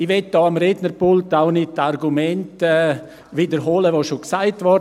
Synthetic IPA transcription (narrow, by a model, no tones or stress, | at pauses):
ɪʋɛt̚dɔːamɾednəɾpʊltaʊnɪtarɡumɛntɛː | vidəɾɦoːləʋoːʃoksaɪtʋɔ